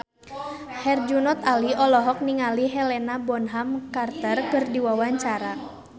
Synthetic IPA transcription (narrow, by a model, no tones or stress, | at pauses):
hɛrd͡ʒunɔt̪aliɔlɔɦɔk̚niŋaliɦɛlɛnabɔnɦamkart̪ərkɨrdiwawaɲt͡ʃaɾa